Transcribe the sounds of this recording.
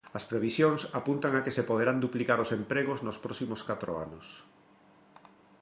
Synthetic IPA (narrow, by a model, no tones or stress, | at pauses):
ɐspɾeβ̞isjoŋsapunt̪aŋakesepoðeɾand̪uplikaɾosempɾeɣ̞oznospɾɔsimoskat̪ɾo̰a̰nʊs